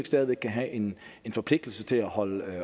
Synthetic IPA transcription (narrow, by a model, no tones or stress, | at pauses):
eɡ̥sd̥ɛːðˠʋeɡ̥̚kʰæɦæʔe̝nenfɒ̽pʰlɡ̥̚d̥l̩sət͡sʰe̝læhɒ̽lə